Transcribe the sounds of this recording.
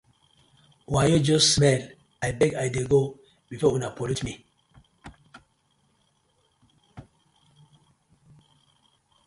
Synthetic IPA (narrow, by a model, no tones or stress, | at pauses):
wajod͡ʒossmɛl | ajbeɡajdeɡo | bifaunapolutmi